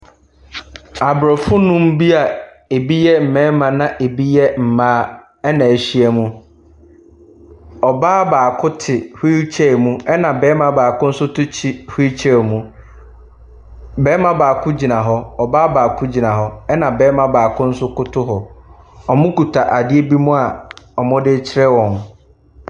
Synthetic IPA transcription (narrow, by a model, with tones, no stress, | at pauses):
a˨bɾɔ˨fʊ˦nʊ̃˦m˦bi˦a˨ | e˨bi˦jɛ˦m̩˨mɛ̃˦mã˨nã˨ʔe˨bi˦jɛ˦m̩˨mãː˦ | ɛ˦nã˨e˨ɕi˦ɛ˦mũ˦ | ɔ˨baː˦baː˨kʰʊ˦tʰɪ˨hi˦t͡ɕʰɛ˦˨mũ˦ɛ˦nã˨bɛː˦mã˨baː˨kʊ˦n̩˦sʊ˦tʊ˦t͡ɕʰi˦hi˦t͡ɕʰɛ˦˨mũ˨ | bɛː˦mã˦baː˨kʰʊ˦d͡ʑi˨nã˨ɦɔ˦ɔ˨baː˦baː˨kʰʊ˦d͡ʑi˨nã˨ɦɔ˦ɛ˦nã˨bɛː˦mã˦baː˨kʰʊ̃˦n̩˦sʊ˦kʊ˦tʰʊ˦ɦɔ˨ | ɔ˨mʊ̃˦ku˨tʰa˨ʔa˨dɪ˦e˦bi˦mũ˦a˨ɔ˨mʊ̃˦dɪ˦t͡ɕʰɪ˦ɾɛ˦wɔ̃˨n